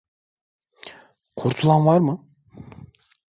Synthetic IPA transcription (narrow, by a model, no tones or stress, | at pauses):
qʰoɾt̪ʰulˠɑnvɑɾmɯ